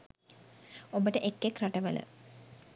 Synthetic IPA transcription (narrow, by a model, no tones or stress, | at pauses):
obəʈəʔekːekraʈəʋə̰lə̰